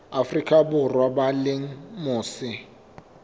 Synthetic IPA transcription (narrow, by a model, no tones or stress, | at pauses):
afrikʰʼabʊrwabalɪŋ̩mʊːsɪ